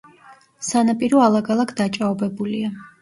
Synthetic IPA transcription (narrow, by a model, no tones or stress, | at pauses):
sanapʼiɾɔalˠaɡalˠakʰd̪at͡ʃʼaɔbɛbulia